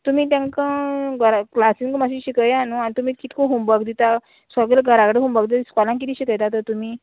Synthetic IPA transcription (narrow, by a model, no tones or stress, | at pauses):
t̪um̤iːt̪̬jãŋkãɡəɾaklasiŋkmaɕ̬iɕikəjanuañit̪um̤iːkit̪koɦumbəkd̪it̪a | səɡləɡʱəɾakɽəɦũmbəkd̪it̪iskɔlãŋk̬it̪iɕikəjt̪at̪ət̪umiː